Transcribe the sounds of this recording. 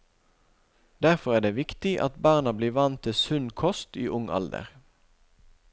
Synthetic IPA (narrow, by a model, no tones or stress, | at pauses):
d̪æʁfɔʁæːɖ̪eːʋɪkt̪ɪʔɑ̰t̪bɑːʁnɑbliːʋɑnt̪ʰːɪsʉnkʰɔst̪ḭːʔʊŋɑ̰ld̪ə̰ʁ